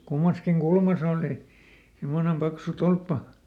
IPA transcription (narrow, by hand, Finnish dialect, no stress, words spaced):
kumːɑskiŋ kulmɑs oˑli himːonem pɑksu tolpːɑ